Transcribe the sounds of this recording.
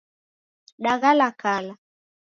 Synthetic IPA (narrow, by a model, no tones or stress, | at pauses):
ɗaɣalakala